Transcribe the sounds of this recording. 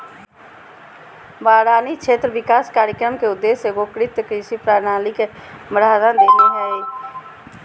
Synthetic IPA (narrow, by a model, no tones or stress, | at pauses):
baːɽaːnit͡ʃʰeːt̪ɾəʋɪkaːskaːɾjəkɾəmkeʊd̪ːeːseɡokɾɪt̪kɾiʃipɾaːɾnaːlikeməɽaːɾãd̪eːniɦɛi